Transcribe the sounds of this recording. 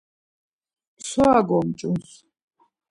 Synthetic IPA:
swaɡɔmt͡ʃʼuns

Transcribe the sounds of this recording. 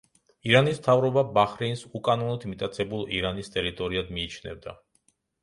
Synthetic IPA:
iɾanismt̪ʰavɾɔbabaχɾinsukʼanɔnɔd̪mit̪ʼat̪sʰɛbulˠḭɾanist̪ʼɛɾit̪ʼɔɾiad̪miːt͡ʃʰnɛ̰vd̪a̰

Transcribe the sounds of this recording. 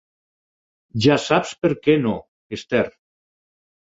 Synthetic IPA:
ʒasapspeɾkeno | est̪eɾ

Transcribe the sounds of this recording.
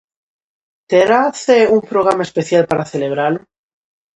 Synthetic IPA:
t̪eɾaθeumpɾo̞ɣ̞ɾamae̞spe̞θjalpaɾaθe̞le̞β̞ɾal

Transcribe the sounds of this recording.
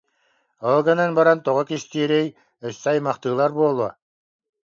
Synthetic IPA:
ɔlˠɡananbɑɾɑnt̪ɔʁɔkiʃt̪iɛɾɛj | œsːɑjmɑχt̪ɯːlˠaɾbuɔlˠuɔ

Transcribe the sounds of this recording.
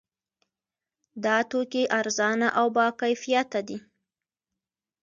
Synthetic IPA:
d̪ɑt̪okeʔaɾzɑnaʔawbɑkajfijat̪ad̪i

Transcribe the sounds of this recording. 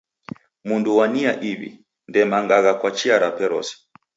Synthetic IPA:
munduwaniaʔiβḭ | ndɛmaŋɡaɣakwat͡ʃiaɾapɛɾɔ̰sɛ̥

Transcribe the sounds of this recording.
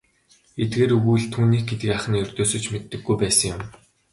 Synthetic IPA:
et̪̚ɡeːɾɵɣuːɮt̪ʰuːniːk̚ɡet̪ɡiːaχə̆niɵrʲt̪oːsɵ̆t͡ɕmet̪ːɘ̆ɡːujpæːsə̆ŋjʊm

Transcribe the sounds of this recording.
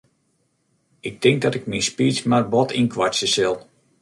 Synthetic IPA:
ɪk̚tɪŋk̚dɔtɪk̚minspiːsmarbɔtinkʰʋasəsɪlˠ

